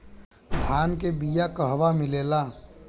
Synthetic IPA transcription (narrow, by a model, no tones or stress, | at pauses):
d̪ʱaːnkebijakəɦʋamɪleːlaː